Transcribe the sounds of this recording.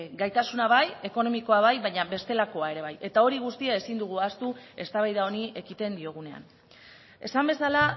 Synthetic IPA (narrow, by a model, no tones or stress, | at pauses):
ɡajt̪asunaβaje̞ko̞no̞miko̞aβajβajɲaβe̞st̪e̞lako̞ae̞ɾe̞β̞aje̞t̪ao̞ɾiɣ̞ust̪iae̞sind̪uɣ̞uast̪ue̞st̪aβajðao̞nie̞kit̪e̞nd̪io̞ɣ̞une̞a̰n | e̞sambe̞sala